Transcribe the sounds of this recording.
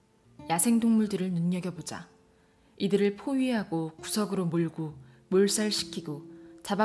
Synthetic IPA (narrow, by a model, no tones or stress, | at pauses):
jasʰe̞ŋdoŋmuɭdɯɾɯɭnunɲʌɡjʌbod͡ʑa̰ | idɯɾɯɭpʰoɥiɦaɡokusʰʌɡɯɾomuɭɡo | muɭs͈aɾɯɭɕʰi̥kʰːiɡot͡ɕaba